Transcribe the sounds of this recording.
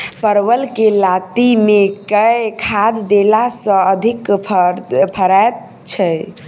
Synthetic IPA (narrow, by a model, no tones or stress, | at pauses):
pəɾwəlkelat̪imekəjkʰad̪d̪elasə̃əd̪ʱikpʰəpʰəɾat̪̚ | t͡ʃʰə